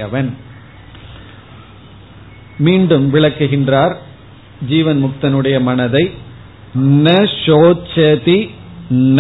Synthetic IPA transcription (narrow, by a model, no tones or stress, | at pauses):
ɐʋɐn | miːɳɖɯmʋɪɭɐkːɯɣɪndraːɾ | d͡ʒiːʋɐnmʊk̚t̪ɐnɯɽɐjɐmɐnɐðɐɪ | nɐʂoːt͡ʃːɐði | n